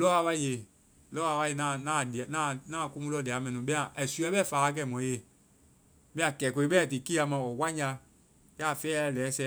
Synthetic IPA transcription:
lɔ˦a˧˦ɓa˧˨je˨ | lɔː˦a˧wa˧je˧˨nã˨˦˨nãː˦˨di˨a˨nãː˦˨nãː˦˨ku˧mũ˦lɔ˧˨di˨a˨˦mɛ̃˧nĩ˨˦ɓɛ̃˦ã˨ʔɛ˨su˧˦ɛ˦ɓɛ˦˨faː˨˦˧k̬ɛ˧˨mɔ̃˨˦e˨ | ɓɛ̃˦ã˧kɛ˨ko˧i˦ɓɛ˦˨ti˨ki˦a˧mã˧˨wɔ˨wa˦ɲa˧ | ja˦˨fɛː˦a˧˨lɛː˨˦sɛ˧˦

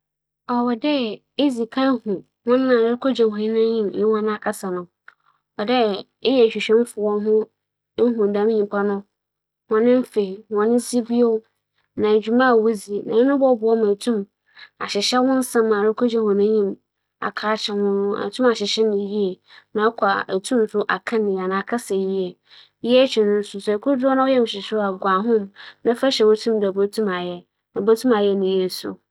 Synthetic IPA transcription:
ɔ˨wɛ˨dɛ˦ | e˦zi˨kʰa˦hũ˨ | hʊ̃˦n˦nã˨ɾɪ˦kʰo˦d͡ʑa˨hɔ˨ɪ˦nã˦ɲĩ˦mɪ˦wɔ̃˦ñ˦a˨kʰa˦sa˨nʊ̃˨ | ɔ˨dɛ˦ | ɪ˦jɛ˨ɕᶣi˨ɕᶣɛ̃˦m˦fʊ˨wɔ˦ɦʊ̃˦ | ɦũ˨dã˦m˦ɲĩ˨m˦pʰa˦nʊ̃˦ | wɔ̃˨nɪ̃˦m˦fe˨i˨wɔ̃˨nɪ̃˦n˦si˦bi˦o˦ | nã˨d͡ʑᶣu˨mã˦˨wo˦zi˨nã˨ɪ˦nʊ̃˦bɔ˦bʊ˨ɔ˦mã˨tʰũ˦m | a̰˨ɕɪ˨ɕɛ˦wʊ̃˦n̩˦sã˦mːã˨nʊ˦kʰo˦d͡ʑɛ˦hɔ̃˨nʊ̃˦ɲĩ˦˨m | a̰˨kʰaː˦t͡ɕʰɛ˨hʊ̃˦nʊ̃˦a̰˨tʰũ˦ma˨ɕɪ˨ɕɛ˦nɪ̃˨ji˦ɛ˨ | nã˨˦kʷʰa˨æ˨tʰũ˦m˨sʊ˦ʔa˨kʰã˦nɪ̃˨a˨nã˨kʰa˦sɛ˨ji˦ɛ˨ | ji˦ɛ˦t͡ɕʰᶣi˨nʊ̃˦n˦sʊ˨sɛ˨kʰʊ˦dʊ˦ɔ˦nã˦wɔ˦jɛ˦m˨ɕɪ˨sʊ˦a˨ɡʷa˨ɦʊ̃˦mnã˦fa˦ɕɛ˨wo˦tʰũ˦mdɛ˨bo˦tʰũ˦ma˨jɛ˦ | nã˨bo˦tʰũ˦ma˨jɛ˦nɪ̃˨je˦˨sʊ̰˨

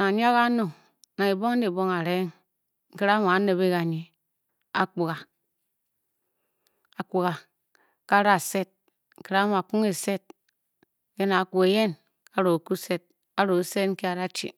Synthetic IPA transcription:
na˨ɲ˦a˦ɣa˦no˨ | na˨e˨bo˦ŋ˦e˨bo˦ŋa˨ɾe˦ŋ | ŋ̩˨ki˦ɾa˦ma˨a˨˦ne˨be˦ɣa˨ɲi˨ | a̰˨k͡pu˨ɣa˨ | a˨ku˨ɣa˨ | ka˦ɾa˨se˦t̚ | ŋ̩˨ki˨ɾa˦mo˨a˨ku˦ŋe˨se˦t̚ | ke˦na˨˦ku˨e˨je˦n | a˦ɾo˨ku˦se˦t̚ | a˦ɾo˨se˦tŋ̩˦ke˦a˨ɾa˦t͡ʃḭ˨

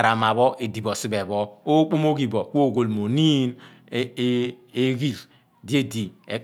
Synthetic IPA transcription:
ɾa˨ma˨βɔ˦ʔe˨di˨bo˨si˦be˨βɔ˦o˦k͡po˦mo˦ɡi˨bo˨k͡po˦˨ɡo˨lmo˨ni˦n˦ | e˦ɡi˦ɾ | di˦e˦di˨e˨

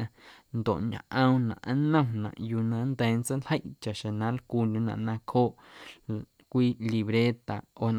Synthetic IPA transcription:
ã˧nd̪o̰˨ʔɲã̰˨ʔə̃˧w̃nã̰˨ʔã˦nə̃˦nã̰˨ʔju˧nã˧˦nd̪ɛː˨˦nt͡sə˦nlhə˦jʔt͡ʃa˨ʔʃẽ˨nã˨˦lkuː˧ndu˧˦nã̰˧˨ʔnã˧kʰoː˦ʔ | kʷiː˦li˧βɾe˦t̪a̰˨o˧n˧

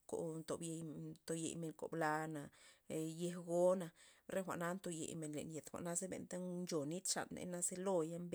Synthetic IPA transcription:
ko̰˨t̪o˨bje˧jt̪o˧jḛ˨jme˨ŋko̰˨bla˧na˨je˧hɡo˦na˨ɾe˦xʷa̰˨ʔna˧˦nt̪o˧jḛ˨jme˨nlḛ˨nje˨t̪xʷa̰˨ʔna˦ze˦bḛ˨˧nt̪a˦nt͡ʃo˨ni˦t̪ʂa̰˨nːḛ˧na˦ze˦lo˧ja˦mb

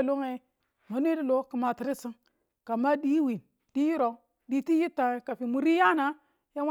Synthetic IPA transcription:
lo˦ŋe˨ | ma˨n˦i˦di˦lo˦ki˨ma˨ti˨ɾi˦si˦ŋ | ka˨ma˦di˦wi˨n | d̥i˦ji˦ɾo˨˦ | di˦ti˦ji˦ta˨ka˨fi˨mu˨ɾi˦ja˦na˨ | ja˦w

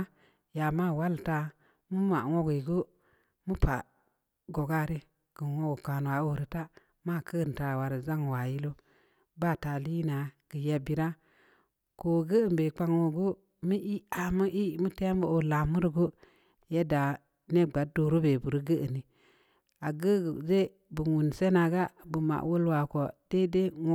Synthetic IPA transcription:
ja˨ma˦˨wa˦lta˦ | mu˦ma˨ŋo˦ɡu˨i˨ɡo˦ | mu˦pa̰˨ | ɡo˨ɡa˦ɾi˦ | ɡ̥ə˨wo˦ɡo˨ka˨n˨wa˨˦o˦ɾi˨ta˦ | ma˦˨kʰə˦˨n˨ta˨wa˨ɾi˨za˦ŋ˨wa˨ji˦lo˦ | ba˦˨ta˨li˦na˨ɡ̥ə˨ja˦bi˨ɾa˦ | ko˨ɡə˦ə˨mbe˨k͡pa˦ŋo˨ɡu˦ | mi˦ʔi˦a˨mə˦ʔi˦˨˦mu˦te˦m˦bo˦˨o˨la˨mu˦ɾi˨ɡu˦ | je˦da˨ | ne˦ɡ͡ba˨do˨ɾu˦be˨bu˨ɾi˦ɡə˦ʔə˨ni˨ | a˨ɡə˦ɡze˦ | bu˨wu˨n˨se˦na˨ɡa˦bu˨ma̰˨ʔwo˦lwa˨ko˨d̥e˦de˦ŋ˦

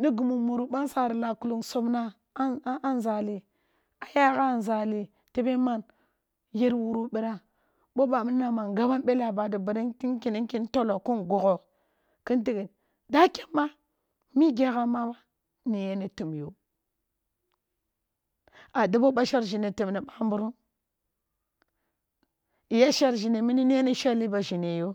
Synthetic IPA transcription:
ni˦ɡu˨mu˨mu˨ɾu˨ɓa˦nsa˨ɾi˨la˨ku˨lu˦˨ŋso˦bna˦ | ʔa˦n˦za˨li˨ | a˨ja˦ɣa˦˨n˨za˨li˨ | te˦be˦ma˦n | je˦ɾwu˨ɾu˦bi˨ɾa˨ | bo˦ba˨mi˦na˨ma˨nɡa˦ba˦nbe˦la˨ba˨di˨bi˨ɾi˦i˦ŋki˨ni˦ŋki˦n˦to˦lo˨ku˦nɡu˨ɣo˨ | ki˦nti˦ɡi˨ | da˦ke˦mːa˦ | mi˦ɡe˦ɣa˦ma˦ba˦ | ni˨je˦ne˦tu˨m˨jo˨ | a˨di˦bo˦ba˦ʃa˦ɾʒi˨ne˨ti˨m˨ne˨ɓa˦m˦bu˦ɾu˦n | i˨ja˦ʃa˦ɾʒi˨ne˨mi˦ni˦ni˦e˦ne˦ʃa˦li˦ba˨ʒi˨ne˨jo˦

